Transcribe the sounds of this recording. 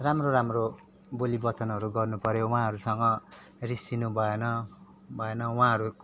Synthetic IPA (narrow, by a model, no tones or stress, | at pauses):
ramroɾamro | bolibʌt͡sʌnɦʌɾuɡʌrnupʌɾjow̃ãɦʌɾusʌŋɡʌ | risinubʱʌenʌ | bʱʌenʌwãɦʌɾu